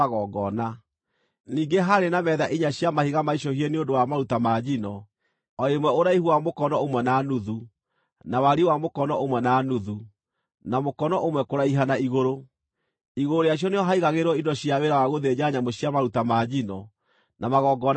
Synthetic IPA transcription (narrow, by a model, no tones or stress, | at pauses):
ɣɔɡɔna | niːŋɡeɦaɾenamɛðaʔiɲaɕjamahiɣamaiɕ̬ɔhiɛneondowamaɾutamad͡ʑinɔ | ɔemwɛoɾaihuamokɔnɔomwɛnanuðu | nawaɾiwamokɔnɔomwɛnanuðu | namokɔnɔʔomwɛkoɾaiɦanaiɣoɾo | iɣooɾeaɕ̬jɔneɔɦaiɣaɣeɾwɔindɔɕiaweɾawaɣoðed͡ʑaɲamɔɕiamaɾutamad͡ʑinɔ | namaɣɔːɡɔn